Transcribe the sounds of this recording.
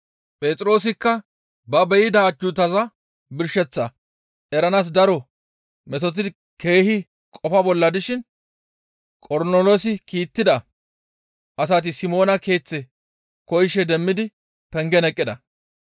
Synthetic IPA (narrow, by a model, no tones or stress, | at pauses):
pʼe̞ːt͡s̪ʼɾo̞ːs̬ɪkːɐ | bɐbɛjɪd̪ɐːd͡ʒʊt̪ɐzɐ | bɪɾʃɛt͡sːɐ | ʔɛɾɐnas̬d̪ɐɾɔ | mɛt̪ɔt̪̬ɪ | ke̞ːhɪ | kʼɔfɐbɔlːɐd̪ɪʃɪn | kʼɔɾnoloːsɪkiːt̪ːɪd̪ɐ | ʔɐs̬at̪̬ɪsɪmo̞ːnɐke̞ːt͡sːɛ | kɔjʃɛd̪ɛmːɪd̪ɪ | pɛŋɡɛnɛkʼːɪd̪ɐ